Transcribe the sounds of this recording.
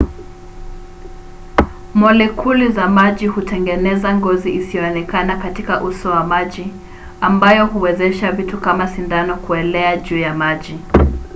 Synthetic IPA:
mɔlɛkʰulizamaʄihutɛŋɡɛnɛzaŋɡɔziʔisijɔɔnɛkanakatikaʔusɔwamaʄi | ambajɔhuwɛzɛʃavitukamasindanɔkuɛlɛaʄuːjamaʄi

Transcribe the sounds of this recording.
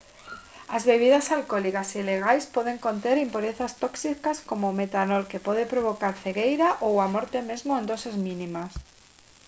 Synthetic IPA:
azβeβ̞iðasalkolikasileɣ̞ajspoðeŋkont̪eɾimpuɾeθast̪oksikaskomomet̪anolkepoðepɾoβ̞okaɾθeɣejɾaʔowamoɾt̪emezmoend̪osezmĩnimas

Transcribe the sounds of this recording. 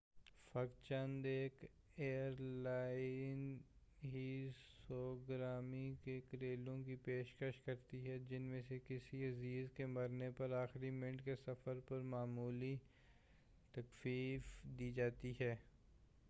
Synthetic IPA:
fɐkt͡ʃə̃nd̪eːk | eːəəɾlaːɪnɦisɔːɡɾaːmikekɾeːlõkipeːʃkəʃkɐɾt̪iɦɛd͡ʒɪnmẽsekɪsiɐziːzkemɐɾnepɐɾaːxɾimɪ̃ɳʈkesɐfəɾpɐɾmaːmuːli | t̪ɐkfiːfd̪iːd͡ʒaːt̪iɦɛː

